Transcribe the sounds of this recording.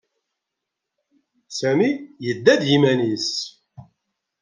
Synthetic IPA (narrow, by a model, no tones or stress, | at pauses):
sæmijəd̪ːæd̪jimænis